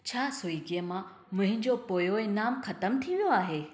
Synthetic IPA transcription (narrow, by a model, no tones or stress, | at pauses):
t͡ɕʰaːsoiːɡiəmã | mʊ̃ɦɪ̃ɲd͡ʑopoːjoenaːmxɐt̪əmt̪ʰiʋijoaːɦeː